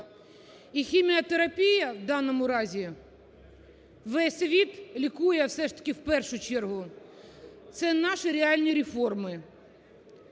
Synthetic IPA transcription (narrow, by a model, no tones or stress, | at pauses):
ixʲimʲiɔt̪eɾɐpʲijɐʋd̪ɑnːɔmʊɾɑzʲi | ʋɛsʲʋʲit̪lʲikujɛwsɛʃt̪ɐ̥kʲɪwpɛrʃʊt͡ʃɛrɦʊ | t̪sɛnɑʃɪɾʲeɑlʲnʲiɾʲɪfɔrmɪ